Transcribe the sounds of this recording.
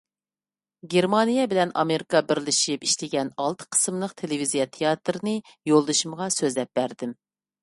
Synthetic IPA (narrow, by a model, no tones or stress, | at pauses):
ɡʲeɾmɑnijɛbɪlɛnɑ̰meɾikɑbɪɾlɪʃipiʃt̪ɪɡʲɛnɑlˠt̪ʰə̥qʰə̥sɨmlˠəqt̪ʰelɪvizijɛt̪ʰejɑt̪ɾɨnɨ | jolˠd̪ɨʃumʁɑsøzlɛp̚b̥æɾd̪ɪm